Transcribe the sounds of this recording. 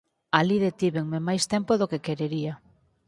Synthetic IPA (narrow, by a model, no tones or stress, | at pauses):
aliðet̪iβeŋmemajst̪empoðokekeɾeɾia